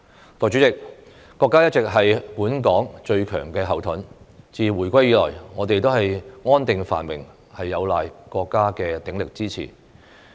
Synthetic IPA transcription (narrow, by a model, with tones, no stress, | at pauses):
t̪ɔː˨t͡ʃyː˨˥t͡sɪ˨k̚ | kːɔː˧kːaː˥jɐ˥t̚t͡sɪ˨k̚ɦɐ˨jpuː˨˥nkɔː˨˥ŋt͡ʃɵ˧ɥkʰœ̰ː˨˩ŋkɛː˧ɦɐ˨˩wt̪ʰʊ˨˥nt͡siː˨wuː˨˩jkʷɐ˥jːiː˨˧lɔ̰ː˨˩jŋɔː˨˧t̪e˨jt̪o˥whɐ˨jŋɔː˥nt̪ɪ˨ŋfa̰ː˨˩nwɪ̰˨˩ŋ | hɐ˨jːɐ˨˧wlaː˨jkɔː˧kːaː˥kɛː˧t̪ɪ˨˥ŋlɪ˨k̚t͡siː˥t͡sʰḭː˨˩